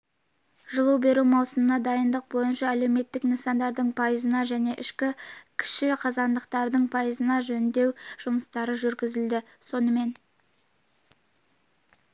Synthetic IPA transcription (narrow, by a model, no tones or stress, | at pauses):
ʒəlˠuwbe̞ɾumɑwsəmənɑd̪ɑjənd̪əq̚bo̞jənʃɑæle̞wme̞t̪ːɪknisɑnd̪ɑɾd̪əɴpʰɑjəzənɑʒæne̞ʔɪʃkʲɪkʲʰɪ̥ʃɪqʰɑzɑnd̪əqt̪ɑɾd̪əɴpʰɑjəzənɑʒɵnnd̪e̞wʒ̥ʊməst̪ɑɾəʒʏɾɡʲɪzɪld̪ɪ | so̞nəme̞n